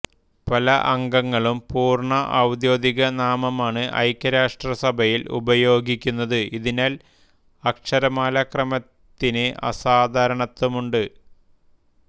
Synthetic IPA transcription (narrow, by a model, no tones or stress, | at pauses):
pɐlɐʔɐŋɡɐŋːɐɭumpuːrɳɐʔɐwd̪jo̞ːd̪iɣɐnaːmɐmaːɳɨʔɐ̰jkʲːɐɾaːʂʈrɐsɐbʱɐjilʔṵbɐjo̞ːɡikʲːunːɐðɨiðinaːl | ɐkʂɐɾɐmaːlɐkrɐmɐt̪ːineʔɐ̰saːd̪ʱaːɾɐɳɐt̪ːumuɳɖɨ